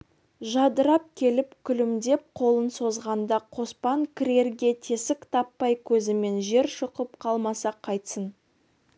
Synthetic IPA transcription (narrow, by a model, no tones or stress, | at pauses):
ʒɑd̪əɾɑp̚kʲʰe̞lɪpkʲʰʏlɪmd̪e̞p̚qʰo̞lˠənso̞zʁɑnd̪ɑqʰo̞spɑŋkʲʰɪɾʲe̞ɾɡʲe̞t̪ʰe̞sɪkt̪ʰɑpːɑjkʲʰɵzɪme̞nʒe̞ɾʃʊqəp̚qʰɑlˠmɑsɑqʰɑjt̪sən